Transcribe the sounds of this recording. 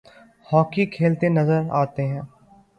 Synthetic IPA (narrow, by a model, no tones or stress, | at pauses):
hɔːkikʰeːlt̪enɐzəɾa̰ːt̪eɦɛ̃ː